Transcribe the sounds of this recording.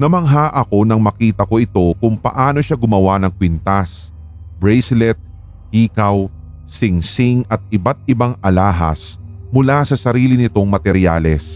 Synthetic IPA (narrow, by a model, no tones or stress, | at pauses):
nɐmɐŋɦaːʔɐko̞nɐŋmɐkiːt̪ɐko̞ʔɪt̪o̞kʊŋpɐ̰ʔaːno̞ʃaɡʊmɐwanɐŋkwint̪as | bɹɛjslɛt̪̚ | hiːkɐw | sɪŋsɪŋɐt̪̚ɪbat̪̚ɪbaŋɐlaːɦɐ̰smʊlasɐsɐɾiːlɪnɪt̪o̞ŋmɐt̪ɛɾɪja̰lɛs